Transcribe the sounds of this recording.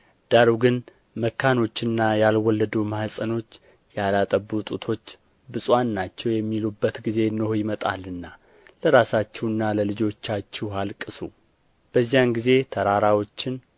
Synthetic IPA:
d̪̥aɾuɡɨn | məkʰːano̞t͡ʃːɨnːajalwɔlːəd̪umahsʼəno̞t͡ʃː | jalat̪ʼəbːut̪ʼut̪ʰo̞t͡ʃː | bɨsʼwanːat͡ʃːɛwjɛmːilubːət̪ɡize̞nːɨhojɪmət̪ʼa̰lɨnːa | ləɾasat͡ʃːɛwɨnːaləlɨd͡ʒo̞t͡ʃːat͡ʃːɛwɦalkʼɨsu | b̥əzːijanɡize̞t̪ʰəɾaɾawo̞t͡ʃːɪn

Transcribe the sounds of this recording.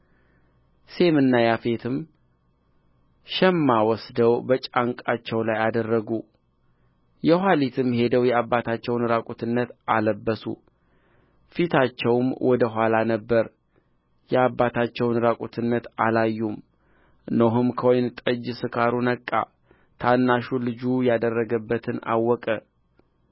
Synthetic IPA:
se̞mɨnːajafet̪ʰɨm | ʃɛmːawɔsd̪əwbət͡ʃʼaŋkʼat͡ʃːɛwlajad̪ərːəɡu | jɛɦʷalit̪ʰɨmhe̞d̪əwjɛabːat̪ʰat͡ʃːɛwnɨɾakʼut̪ʰɨnːət̪aləbːəsṵ | fit̪ʰat͡ʃːɛwmwʔɔd̪əɦʷalanəbːəɾ | jɛabːat̪ʰat͡ʃːɛwnɨɾakʼut̪ʰɨnːət̪ʔalajːum | noɦɨmkʰəwojnt̪ʼəd͡ʒsɨkʰaɾunəkʼːa̰ | t̪ʰanːaʃulɨd͡ʒujad̪ərːəɡəbːət̪ʰɨna̰wːɔkʼə

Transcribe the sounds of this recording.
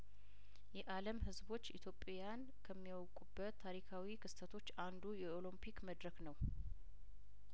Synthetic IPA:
jɛʔaləmɦɨzbo̞t͡ʃːit̪ʰjo̞pʼjan | kʰəmːiwɔkʼubːət̪ʰːaɾikʰawikʰɨst̪ʰət̪ʰo̞t͡ʃːand̪ujɛolompʰikməd̪ɾəknəw

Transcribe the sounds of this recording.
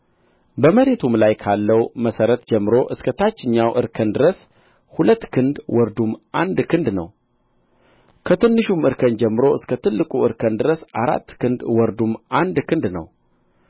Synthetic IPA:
bəməɾe̞t̪ʰumlajkʰalːəwməsəɾət̪d͡ʒɛmːɨɾo̞ʔɨskʰət̪ʰat͡ʃːɪɲːawʔɨ̰ɾkʰənd̪ɨɾəs | hulət̪ːkʰɨnd̪wɔɾd̪umʔand̪kʰɨnd̪nə̰w | kʰət̪ɨnːɨʃumɨɾkʰənd͡ʒɛmːɨɾo̞ɨskʰət̪ʰɨlːɨkʼuɨɾkʰənd̪ɨɾəsa̰ɾa̰t̪ːkʰɨnd̪wɔɾd̪umand̪kʰɨnd̪nə̰w

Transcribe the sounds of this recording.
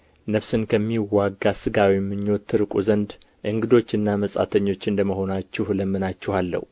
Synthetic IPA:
nəβsɨnkʰəmːiwaɡːasɨɡawimːɨɲːo̞t̪ʰːɨɾɨkʼuzənd̪ | ʔɨŋɡɨd̪o̞t͡ʃːɨnːaməsʼa̰t̪ʰəɲːo̞t͡ʃːɨnd̪əməho̞nat͡ʃːɛhləmːɨnat͡ʃːɛhalːə̰hu

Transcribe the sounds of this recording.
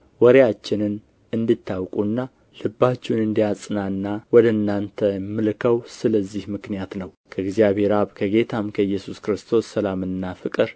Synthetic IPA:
wɔɾejat͡ʃːɪnɨn | ɨnd̪ɨt̪ʰːawkʼunːa | lɨbːat͡ʃːɛnɨnd̪ijat͡sʼɨnanːawɔd̪ənːant̪ʰəmːɨlkʰəwsɨləzːihmɨknijat̪nəw | kʰəɨɡzijaβe̞ɾaβkʰəɡe̞t̪ʰamkʰəɨjːɛsuskɨɾɨst̪ʰo̞sːəlamɨnːafɨkʼɨɾ

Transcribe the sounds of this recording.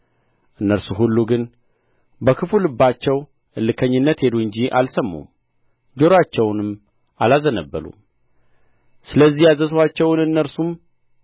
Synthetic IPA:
ʔɨnːəɾsuɦulːuɡɨn | bəkʰɨfulɨbːat͡ʃːɛw | ɨlːɨkʰəɲːɨnːət̪he̞d̪uɨɲd͡ʒiʔa̰lsəmːṵm | d͡ʒo̞ɾat͡ʃːɛwnɨm | alazənəbːə̰lṵ | sɨləzːihjazəswat͡ʃːɛwnɨnːəɾsum

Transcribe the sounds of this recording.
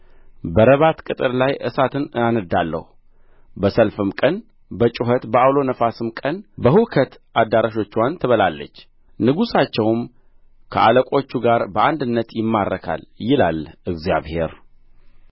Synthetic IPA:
bəɾəβat̪kʼɨt̪ʼɨɾlajʔɨsat̪ʰɨnɨanɨd̪alːə̰hu | bəsəlfɨmkʼən | bət͡ʃʼʊɦət̪bəawlo̞nəfasɨmkʼənbəhukʰət̪ʔad̪ːaɾaʃo̞t͡ʃːwant̪ʰəβəlalːə̰t͡ʃː | nɨɡusat͡ʃːɛwm | kʰəʔaləkʷʼo̞t͡ʃːuɡaɾbəʔand̪ɨnːət̪jɪmːarːəkʰa̰ljɪla̰lʔɨɡzija̰βhe̞ɾ

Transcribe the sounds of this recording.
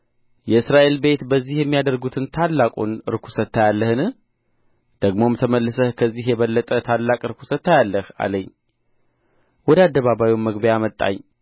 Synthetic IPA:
jɛɨsɾaʔe̞lbe̞t̪bəzːihjɛmːijad̪əɾɡut̪ʰɨnt̪ʰalːakʼunɨ̰ɾkʰu̥sət̪ʰːajalːəhɨnɨ | d̪̥əɡmo̞mt̪ʰəməlːɨsəhkʰəzːihjɛβəlːət̪ʼət̪ʰalːakʼɨɾkʰu̥sət̪ʰːajalːəha̰ləɲː | wɔd̪əad̪ːəβaβawumːəɡbejamət̪ʼːa̰ɲː

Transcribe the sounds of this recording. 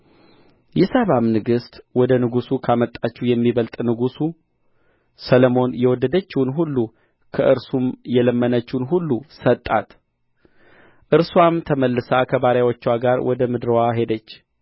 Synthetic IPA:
jɛsəβamnɨɡɨst̪wɔd̪ənɨɡusukʰamət̪ʼːat͡ʃːɛhjɛmːiβəlt̪ʼnɨɡusu | səlomo̞njɛwɔd̪ːəd̪ət͡ʃːɪhnɦulːu | kʰəʔɨɾsumjɛləmːənət͡ʃːnɦulːusət̪ʼːat̪ | ʔɨɾswamt̪ʰəməlːɨsakʰəβaɾjawot͡ʃːwaɡaɾwʔɔd̪əmɨd̪ɾəwaɦe̞d̪ət͡ʃː

